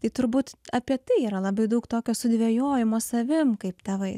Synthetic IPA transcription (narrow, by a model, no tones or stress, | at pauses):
t̪ɐɪt̪ʊɾbuːt̪ɐpʲiɛt̪ɐɪiːɾɐlˠɐbɐɪd̪ɐʊkt̪oːkʲoːsʊd̪ʲʋʲeːjoːjɪmoːsɐʋʲɪmkɐɪpt̪ʲɛʋɐɪ